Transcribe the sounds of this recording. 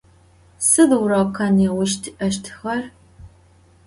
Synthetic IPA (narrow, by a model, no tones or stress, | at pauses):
sɨðwʊrɐkʰɐnɛwʊʃtʰʔɐʃ̬tʰxɐr